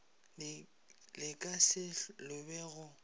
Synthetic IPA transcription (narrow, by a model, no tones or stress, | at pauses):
lɪkʼasɪlʊbɛɣʊ